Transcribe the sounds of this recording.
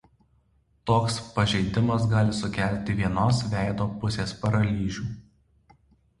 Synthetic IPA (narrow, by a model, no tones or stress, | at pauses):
t̪oːkspɐʒʲɛɪd̪ʲɪmɐsɡɑːlʲɪsʊkʲæˑlʲˑt̪ʲɪʋʲiɛnoːsʋʲæˑɪd̪oːpʊsʲeːspɐɾɐlʲiːʒʲuː